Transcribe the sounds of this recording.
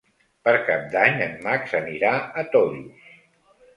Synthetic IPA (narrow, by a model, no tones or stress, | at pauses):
pəɾkap̚d̪aɲəmmaksəniɾaət̪ɔðius